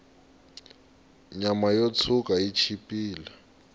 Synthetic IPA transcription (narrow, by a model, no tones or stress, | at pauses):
ɲamajot͡sʰukʼait͡ʃʰipʼiːla